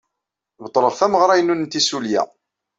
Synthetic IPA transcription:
bt̪ˤːɾˤəɾθæməʁɾˤæjənːunnt̪isuljæ̰

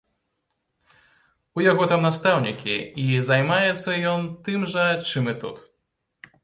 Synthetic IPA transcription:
ujaɣɔt̪amnast̪awnʲikʲiizajmajɛt̪sːɐjɔnt̪ɨmʐɐt͡ʂɨmɨt̪ṵt̪

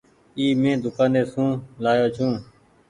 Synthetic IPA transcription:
iːmẽːd̪ʊkaːneːsũːlaːjoːt͡ʃʰũː

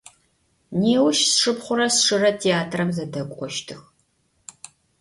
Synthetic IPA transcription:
neːwʃsʂɨpχʷʊɾɐsʂɨrɐtʰeːaːtʰrɐmzɐdɐkʷʼɔʃtʰɨx

